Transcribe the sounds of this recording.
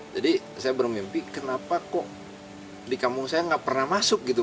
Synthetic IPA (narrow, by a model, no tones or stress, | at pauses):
d͡ʒadi | sajabərmimpikənapakɔʔ | dikamʊŋsajaŋaʔpərnahmasʊk̚ɡit̪u